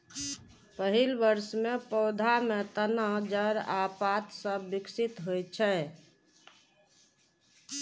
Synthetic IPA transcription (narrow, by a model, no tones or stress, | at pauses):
pəɦilʋəɾsmepɔʊd̪ʱamet̪ənəɦd͡ʒəɾapat̪sə̃biksit̪ɦojt͡ʃʰɛ